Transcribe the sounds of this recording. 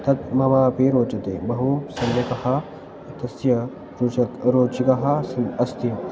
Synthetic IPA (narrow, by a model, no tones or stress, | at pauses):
t̪ʰɐt̪̚mɐmaːɐpeɾoːt͡ʃɐt̪eːbɐɦusɐnjɐkɐɦa | t̪ɐsjɐ | ɾot͡ʃɐt̪ɾoːt͡ʃikɐɦasɐst̪im